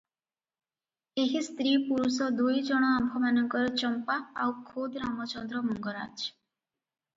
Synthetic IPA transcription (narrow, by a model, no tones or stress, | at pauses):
eɦist̪ɾipuɾusɔd̪ujd͡ʒɔɽ̃ɔambʱɔmanɔŋkɔɾɔt͡ʃɔmpaawkʰod̪ɾamɔt͡ʃɔnd̪ɾɔmɔŋɡɔɾa̰d͡ʒ